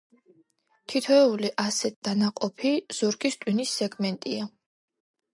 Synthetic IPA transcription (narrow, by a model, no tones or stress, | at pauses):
t̪ʰit̪ʰɔɛuliʔasɛt̪̚d̥̪anaqʼɔpʰiz̥ɔɾɡist̪ʼwinisːɛɡmɛnt̪ʼia